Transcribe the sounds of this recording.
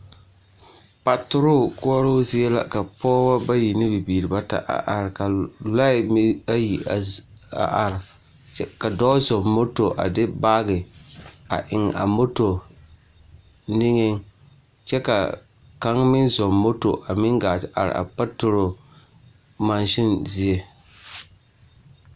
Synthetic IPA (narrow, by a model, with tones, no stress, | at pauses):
pa˨tʊ˦ɾʊ˦˨kʊ˦ɔ˦ɾo˦zɪ˦ɛ˦la̰˦ka˨pɔː˦ba˦ba˦ji˨nɪ˦bi˨biː˨ɾi˨ba˦ta̰˨ʔa̰˨ʔa˨ɾka˨la˦ɪ˨m˦a˦ji˨ | a̰˨ʔa˨ɾɪ˨˦ | ka˨dɔ˦zɔ˨mːo˦to˨ʔa̰˨dɪ˦baː˦ɡɪ˨a̰˨ʔɪ˨ŋ˨a̰˨mo˦to˨ | nɪ˦ŋɪ˦ŋ | t͡ʃɛ˦ka̰˨ | ka˦ŋmɪ˦nzɔ˨mːo˦to̰˨ʔa˨mɪ˦ŋɡaː˨ʔa̰˨ɾ̰a̰˨pa˦tʊ˨ɾo˨ | ma˨nʃɪ˦nzɪ˦e˦